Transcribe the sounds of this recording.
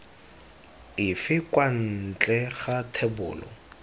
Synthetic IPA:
ɪfɪkwan̩t͡ɬʼɛχatʰɛbʊ̰ːlɔ̰

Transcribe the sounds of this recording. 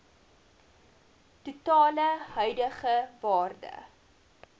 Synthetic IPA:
tutɑːləɦœɥdəχəvɑːrdə̰

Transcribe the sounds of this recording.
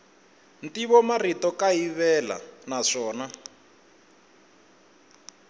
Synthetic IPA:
ntiβɔmaritɔkaiβɛla̰naʂɔːna

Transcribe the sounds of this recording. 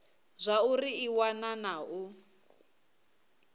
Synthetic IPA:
zʷauriiwananau

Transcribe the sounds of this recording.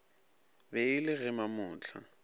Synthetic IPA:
beɪlɪɣɛmamʊːt͡ɬʰa̰

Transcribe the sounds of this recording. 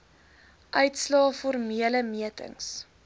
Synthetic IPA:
ʔœɥtslɑːfɔrmiələmiətə̰ŋs

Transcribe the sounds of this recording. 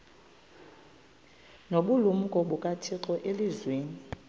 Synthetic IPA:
noɓulum̩kʼɔɓukʼatʰiǁɔʔelizweːni

